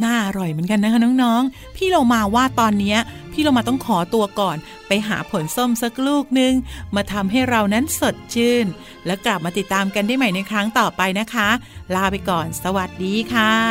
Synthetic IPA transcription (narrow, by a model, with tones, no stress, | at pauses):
naː˥˩ʔa˧ɾɔ˨˩jmɯ˩˦nka˧na˦˥kʰa˦˥˩nɔː˦˥ŋnɔː˦˥ŋ | pʰiː˥˩lo˧wmaː˧waː˥˩t̪ɔː˧nːi˦˥ɐpʰiː˥˩lo˧wmaː˧t̪̬ɔ˥˩ŋkʰɔː˩˦t̪u˧ɐkɔː˨˩n | pa˧jɦa̰ː˩˦pʰo˩˦nso˥˩msa˦˥k̚luː˥˩k̚nɯ˧ŋmaː˧t̪ʰa˧mɦa˥˩jɾa˧wna˦˥nso˨˩t̪̚t͡ɕʰɯː˥˩n | lɛː˦˥wkla˨˩p̚maː˧t̪i˨˩t̪ːaː˧mka˧ndaː˥˩jma˦˥˩jna˧jkʰɾa˦˥ŋt̪ɔː˨˩pa˧jna˦˥kʰa˦˥laː˧wpa˧jkɔː˨˩nsa˧wa˨˩t̪̚diː˧kʰaː˥˩